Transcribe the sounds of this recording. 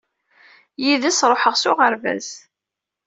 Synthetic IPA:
jiðæsɾˤoħəʁsʊʁəɾvæ̰z̥

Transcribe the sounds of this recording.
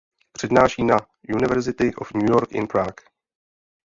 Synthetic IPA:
pr̝̥ɛdnaːʃiːna | junɪvɛɾzɪt̪ɪʔo̰fɲujoɾkɪ̰npɾaːk

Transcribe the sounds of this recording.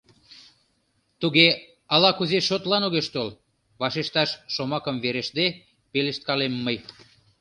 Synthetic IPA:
t̪uɣe | ɑlɑkuzeʃot̪lɑnoɣeʃt̪ol | βɑʃeʃt̪ɑʃːomɑkəmβeɾeʃd̪e | peleʃt̪̚kɑlemːəj

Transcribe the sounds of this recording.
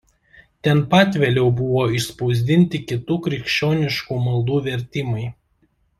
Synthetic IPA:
t̪ʲɛnpɑːt̪ʲʋʲeːlʲɛʊbʊʋoːɪʃspɒʊzʲd̪ʲɪnʲt̪ʲɪkʲɪt̪uːkɾʲɪkʃʲt͡ʃʲoːnʲɪʃkuːmɐlˠd̪uːʋʲɛɾʲt̪ʲɪmɐɪ

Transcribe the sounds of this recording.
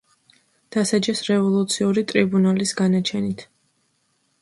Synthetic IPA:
d̪̥asad͡ʒɛsɾɛvɔlˠut̪sʰiuɾit̪ʼɾibunalisɡanat͡ʃʰɛnit̪ʰ

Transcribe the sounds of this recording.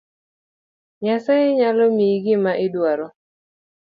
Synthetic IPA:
ɲasaɪɲalɔmiɡɪmaʔɪdwaɾɔ

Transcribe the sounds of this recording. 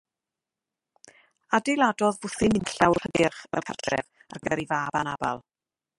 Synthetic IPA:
adejlˠadɔðvʊθɪmɪnɬawχədɪrχɛ̰lpʰardrɛ̰v | arɡəɾivaːbanaba̰lˠ

